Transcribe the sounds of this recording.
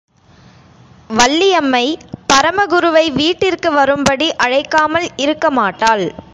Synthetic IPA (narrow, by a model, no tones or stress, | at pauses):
ʋɐɭːɪjɐmːɐɪpɐɾɐmɐɣʊɾɯʋɐɪʋiːʈːɪrkɯʋɐɾɯmbɐɽiʔɐɻɐɪkːaːmɐlɪɾɯkːɐmaːʈːaːl